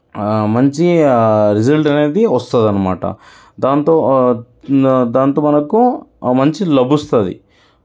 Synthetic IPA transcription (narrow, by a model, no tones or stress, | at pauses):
mɐɲt͡ʃiɾid͡ʒɐlʈɐneːd̪iɔst̪aːd̪ɐnːɐma̰ːʈɐ̰ | d̪aːnt̪o | d̪aːnt̪omɐnɐkːumɐɲt͡ʃilɐbust̪aːd̪ḭ